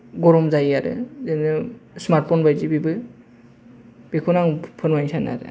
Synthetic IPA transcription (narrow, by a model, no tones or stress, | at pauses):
ɡɔɾɔmzajaɾɯ̰zenɯsmaɾt̚pʰɔnbajzibibɯ | b̥ikʰɔnaŋpʰɯnmajnsana̰ɾɯ̰